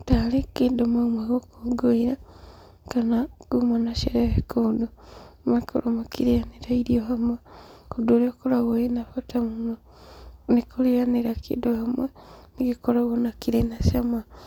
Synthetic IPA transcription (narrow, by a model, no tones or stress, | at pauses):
talekedomamwaɣokoɡoiɾa | kanaɡ̥umanaʃeɾeβekodomekʰo̰ɾomakiɾijaniɾaiɾioɦamwekodoliokolaɣoinafotamuma | nikʰolijaniɾakʰḭdohamwenikikolaɣonakiɾenasama